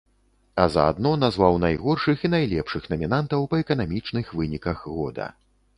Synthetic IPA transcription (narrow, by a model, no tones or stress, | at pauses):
ɐzɐ̰a̰d̪nɔnazvawnajɣɔrʂɨxinajlʲɛpʂɨxnɐmʲinant̪ɐwpɐɛkɐnamʲit͡ʂnɨxvɨnʲikɐxɣɔd̪ɐ̰